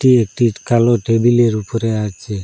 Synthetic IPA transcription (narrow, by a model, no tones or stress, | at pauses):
ʈiek̚ʈikalɔʈebileɾupɔɾeat͡ʃʰe